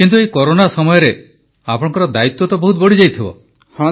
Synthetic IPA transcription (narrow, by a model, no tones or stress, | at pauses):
kint̪uejkɔɾonasɔmɔjɔɾe | apɔɽɔ̃ŋkɔɾɔd̪ait̪wɔt̪ɔbɔɦut̪bɔɽid͡ʒajt̪ʰibɔ̰